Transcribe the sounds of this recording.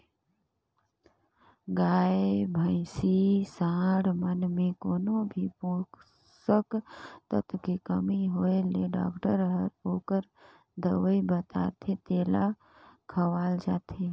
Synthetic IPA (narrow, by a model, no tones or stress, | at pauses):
ɡaːebʱə̃ɪsisãːɽmənmẽkoːnobʱipõːk | səkt̪ət̪kikəmiɦoːeleɖa̰ːkʈəɾɦəɾoːkəɾ | d̪əʋəibət̪a̰ːt̪ʰet̪eːla | kʰəʋaːld͡ʒaːt̪ʰeː